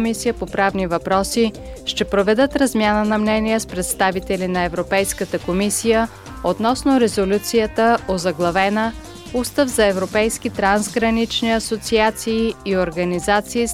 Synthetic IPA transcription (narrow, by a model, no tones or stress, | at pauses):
misijəpopɾavnivɐpɾɔsi | ʃt̪ɛpɾovɛd̪ət̪ɾɐzmʲjanənɐmnɛniəspɾɛt̪st̪avit̪ɛlinɐɛvɾopɛjskət̪əkomisijə | ot̪nɔsnoɾɛzolʲut̪sijət̪əozɐɡlˠɐvɛnə | ust̪əvzɐɛvɾopɛjskit̪ɾanzɡɾɐnit͡ʃniɐsot̪siat̪siːoɾɡɐnizat̪siː